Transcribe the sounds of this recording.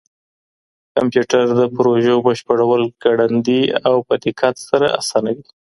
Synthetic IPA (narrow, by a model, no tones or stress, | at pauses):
ka̰mpjuʈaɾd̪əpɾoʒobəʃpəɽawəlɡ̥aɽand̪iawpat̪ɪkʰɑt̪saɾa̰ʔa̰sɑnawi